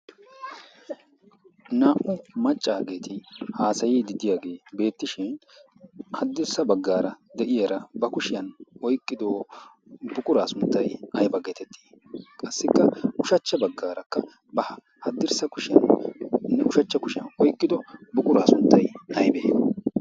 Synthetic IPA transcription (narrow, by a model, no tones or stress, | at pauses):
naːʔʊmɐt͡ʃʼːaːɡe̞ːt̪ʰɪhaːsɐjiːd̪ɪd̪ɪjaːɡe̞ːbe̞ːt̪ːɪʃɪn | hɐd̪ːɪɾsɐbɐɡːaːɾɐd̪ɛʔɪjɐɾɐbɐkʊʃɪjɐnɔjkʼːɪd̪oː | bʊkʼʊɾaːsʊnt̪ːɐjɐjbɐɡɛt̪ɛt̪ʰːi̥ː | kʼɐsːɪkːɐʔʊʃɐt͡ʃːɐbɐɡːaːɾɐkːɐ | bɐhɐ | hɐd̪ːɪɾsɐkʊʃɪjɐ̰nnːɛʔʊʃɐt͡ʃːɐkʊʃɪjɐ̰nʔɔjkʼːɪd̪ɔbʊkʼʊɾaːsʊnt̪ːɐjɐjbɛʔnɐ